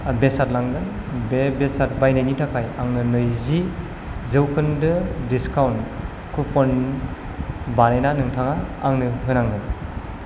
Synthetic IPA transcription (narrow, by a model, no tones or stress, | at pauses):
abesat̚laŋɡɯn | bebesat̚bajnɯjnitʰakʰajaŋnɯnɯjzi | zɯwkʰɯndɯdiskawn | kʰupɔn | banejnanɯŋtʰaŋaːŋnɯɦɯnaŋɡɯn